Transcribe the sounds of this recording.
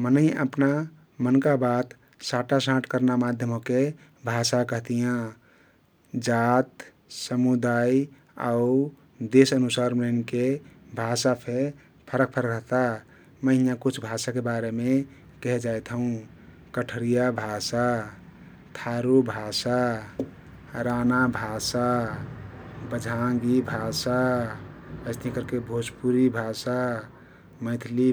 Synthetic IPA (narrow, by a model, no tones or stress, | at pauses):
mənəɪə̰pna | mənkabat̪ | saʈasãʈʰkəɾnamad̪ʱjəmɦoke | bʱasakəɦt̪ijã | d͡ʒat̪ | səmud̪aj | a̰u | d̪esənusaɾmɾənkebʱasapʰe | pʰəɾək̚pʰəɾəkət̪a | məɦijakut͡ʃʰbʱasakebaɾeme | kɛɦd͡ʒajt̪ʰɦũ | kəʈʰəɾijabʱasa | t̪ʰaɾubʱasa | ɾanabʱasa | bəd͡ʒʱaɡibʱasa | əst̪ikəɾkebʱospuɾibʱasa | mə̃ɪt̪ʰli